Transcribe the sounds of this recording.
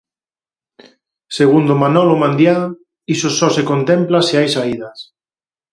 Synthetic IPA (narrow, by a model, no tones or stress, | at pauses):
seɣund̪omanɔlomãnd̪ja | isosɔsekont̪emplaseajsaiðas